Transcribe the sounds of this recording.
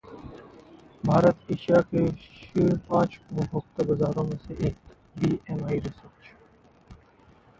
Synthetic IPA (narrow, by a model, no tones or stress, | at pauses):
bʱaːɾət̪eːʃijakeʃiːɾpãːt͡ʃʊɦəkt̪əbɐzaːɾõːmẽseʔeːk | biːemaːiɾɪsəɾt͡ʃ